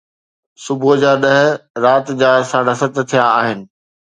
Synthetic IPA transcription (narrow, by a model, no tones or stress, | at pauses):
sʊbʊd͡ʑaːɗɐɦɪ̆ɾaːt̪d͡ʑaːsaːɽ̤asɐt̪t̪ʰijaaːɦɪnɪ̆